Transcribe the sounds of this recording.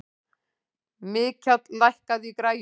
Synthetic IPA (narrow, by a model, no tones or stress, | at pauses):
mɪːcʰat̪lajhkaðikɾaːj